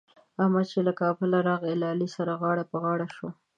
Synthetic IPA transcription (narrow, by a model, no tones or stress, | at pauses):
amɑt͡ʃelakɑbɪlaɾɑɣɪlɑlisaɾaɣɑɽapəɣɑɽaʃo